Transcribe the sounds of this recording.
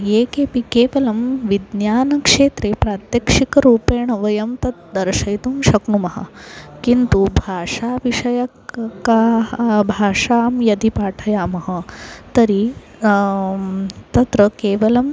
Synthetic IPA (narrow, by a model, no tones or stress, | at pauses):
jeːkeːpikeːʋɐlɐmʋid̪njaːnɐkʂeːt̪ɾepɾaːt̪jɐkʂikɐɾuːpeːɳɐʋɐjɐmt̪ɐt̪̚d̪ɐɾʃɐjt̪umʃɐkɳumɐɦɐ̰kint̪ubʱaːʂaːʋiʂɐjɐ | kabʱaːʂaːmjɐd̪ʱipaːʈʰɐjaːmɐɦɐt̪ɐɾi | t̪ɐt̪ɾɐkeːʋɐlɐm